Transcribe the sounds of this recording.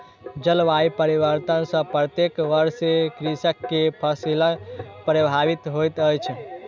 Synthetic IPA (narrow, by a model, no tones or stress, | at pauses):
d͡ʒəlʋaipəɾiʋəɾt̪ənsə̃pɾət̪jekʋəɾsekɾisəkːepʰəsilapɾəbʱabit̪ɦojt̪əjt͡ʃʰ